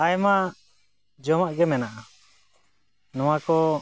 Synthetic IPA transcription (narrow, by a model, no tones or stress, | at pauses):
ajma | d͡ʒɔmaʔɡɛmɛnaʔa | nɔwakɔ